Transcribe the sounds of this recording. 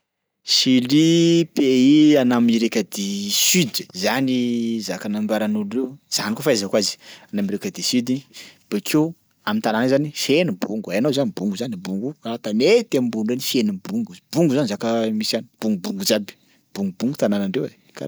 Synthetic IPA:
silipeianamiɾekʲəd̪isyd̪zanizakanambaɾanulewz̥anikofaazakwazi̥anamiɾekʲəd̪isyd̪ib̥eke | amint̪ananazanifenibuŋɡuajanowzanibuŋɡuzanibuŋɡuaat̪anet̪amimbuɳɖ͡ʐenifenibuŋɡub̥uŋɡuzanizakəmisani̥b̥uŋɡubuŋɡud͡ʒabi̥ | b̥uŋɡubuŋɡut̪ananaɳɖ͡ʐewḛ | kʰa̰

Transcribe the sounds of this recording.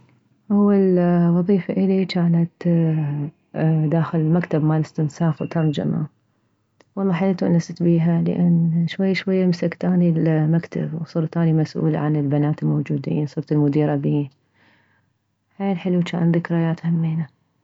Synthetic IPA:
ʔawːalwɑðˤiːfaʔɪlit͡ʃaːlat̪ | d̪aːxɪlɪlmakt̪abmaːlɪst̪ɪnsaːfwt̪ɑɾˤd͡ʒa̰ma̰ | wɑlˤːɑːħalalt̪uʔnːasɪt̪biːɦalɪ̰ʔanːʃwajːaʃwajːamsakt̪aːnilmakt̪a̰bwsˤɨːɾt̪aːnimasʔṵːla̰ʕanɪlbanaːt̪ɪlmowd͡ʒuːd̪ḭːnsˤɨɾˤt̪ɪlmʊd̪iːɾabiːn | ħeːnħɪlut͡ʃa̰ːnðɪkɾajaːt̪hamːiːna

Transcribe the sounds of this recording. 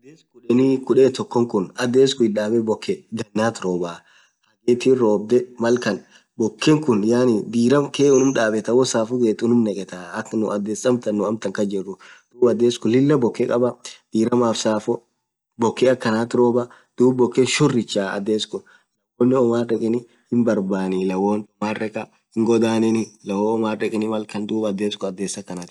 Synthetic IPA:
ɐd̪eːskʊᶑɛnikʊᶑet̪ɔkːɔŋkʊnɐd̪eːskʊɪᶑaːbɛbɔkːɛd̪ɐnːaːt̪ɾoːbaː | hɐɡeːt̪iɾoːb̚d̪ɛmɐlkɐn | bɔkːɛŋkʊnjaːnɪd̪iːɾɐmkeːʊnʊmᶑaːbɛt̪ɐwɔsaːfʊɡeːt̪ʊnʊmnɛkʼɛt̪aːɐknʊɐd̪ːeːsɐmt̪ɐnːʊɐmt̪ɐŋkɐd͡ʒɛrːʊd̪̥uːbɐd̪ːeːskɔlɪlːɐbɔkːɛkʼɐbɐd̪̥iːɾɐmaːfsaːfɔ | bɔkːɛɐkːɐnaːt̪ɾo̞ːbɐ | d̪̥uːbbɔkːenʃʊrːɪt͡ʃːaːɐ̰d̪eːskɔ | lɐwoːnːɪɔmaːrɛkʼɪnɪ | hɪmbɐɾbaːnɪlɐwoːnt̪ɔmaːrɛkʼɐ | hɪŋɡɔd̪aːnɪnɪlɐwoɔmaːɛkʼɪnɪmɐlkɐnd̪uːbɐd̪eːskɔɐd̪ːeːsɐkːɐnaːt̪

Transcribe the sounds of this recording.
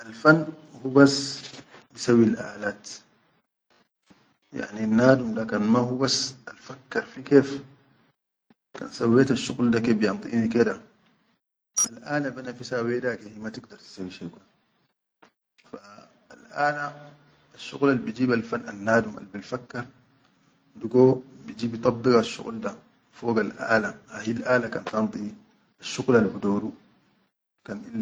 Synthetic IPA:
ʔalfanː | hubasːbisawːilʔa̰ːlaːt̪ | ja̰ʕnianːaːd̪umd̪akanmahubasːalfakːɑɾˤfikeːf | ka̰ːnsawːeːt̪aʃːuɣld̪akeːbijɑnt̪ˤḭʔniked̪a | ʔalʔaːnabanafisawed̪akihimat̪ɪɡd̪ɑɾˤt̪i̥sawːiʃako | faː | lʔaːlaː | ʃːṵɣlalbid͡ʒiːbalfanːanːaːduma̰lbilfakːaɾ | duɡobid͡ʒiːbit̪ˤɑbːikaʃːṵɣlda | fɔːɡalʔa̰ːlahahilʔaːlakantɑnt̪ˤi | aʃːuɣlalbudoːɾu | kanʔilː

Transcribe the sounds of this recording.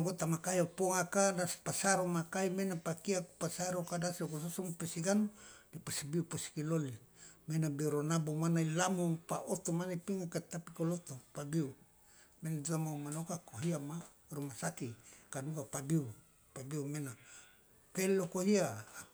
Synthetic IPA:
ɡot̪amakaiopoŋakadaspasaɾomakaimenapakiakupasaɾokadasokososɔŋpesiɡanudipasibiupasi̥kilolimenabeɾonabomanailamupaʔot̪omanaipiŋakat̪apikolot̪opabiu | menaduamaumanokakoɦiama | romasakikadukapabiu | pabiumena | pelokoɦia

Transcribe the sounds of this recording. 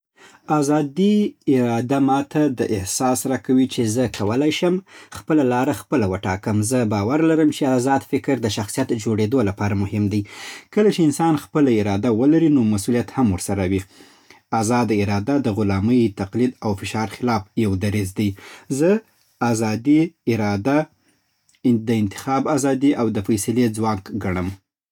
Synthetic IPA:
azɑd̪iɪɾɑd̪amɑt̪ʰad̪əʔɪhsɑsɾɑkawit͡ʃezəkʰawəlajʃəmxpəlalɑɾaxpəlawəʈɑkəmzəbɑwaɾlaɾəmt͡ʃeazɑd̪fɪkɾd̪əʃaxsijat̪d͡ʒoɽed̪olapɑɾamʊhɪmd̪ajkəlat͡ʃeɪnsɑnxpəlaɪɾɑd̪awəlaɾinomasulijat̪hamwəɾsaɾawi | azɑd̪ɪɾɑd̪ad̪əɣʊlɑməjt̪aqlid̪awfɪʃɑɾxɪlɑfjawd̪aɾizd̪ajzə | azɑd̪iɪɾɑd̪a | d̪əɪnt̪ɪ̥xɑbazɑd̪iʔawd̪əfajsaled͡zwɑkɡaɳəm

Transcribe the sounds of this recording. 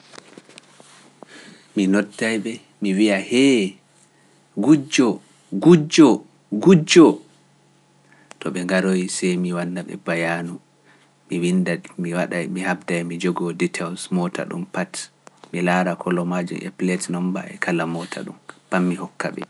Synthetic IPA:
minɔtːajɓɛ | miwiahɛ | ɡud͡ʒɔ | ɡud͡ʒɔ | ɡud͡ʒɔ | tɔɓɛŋɡaɾojsɛjmiwanːaɓɛ̰bajanu | miwindamiwaɗajmihabdajmid͡ʒɔɡɔditʰawsmɔta̰ɗṵmpat | milaːɾakʰɔlɔmad͡ʒṵmʔḛplɛtnɔmba̰ʔɛ̰kʰalamɔtʰa̰ɗṵmpamːihɔkːa̰ɓɛ̰

